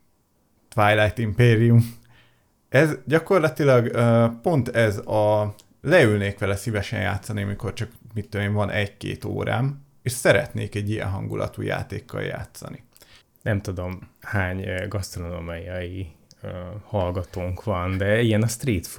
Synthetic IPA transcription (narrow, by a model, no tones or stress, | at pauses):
t̪vajlajt̪impeːɾijum | ɛzɟɒko̞rlɒt̪ilɒɡøpo̞nt̪ɛzɒ | lɛylneːkʋɛlɛsivɛʃɛ̰nja̰ːt̪sɒniɒmiko̞rt͡ʃɒkmit̪ːøeːɱvɒnʔɛɟkḛːt̪o̰ːɾaːm | eːʃsɛɾɛ̰t̪neːkɛɟːijɛ̰nɦɒ̰ŋɡulʔɒ̰t̪ṵːja̰ːt̪eːkʰːɒ̰lja̰ːt̪sɒ̰ni | nɛmt̪ud̪o̞mhaːɲɡɒst̪ronomajɒi | hɒlɡɒt̪oːŋkʋɒnd̪ɛijɛnɒst̪riːt̪f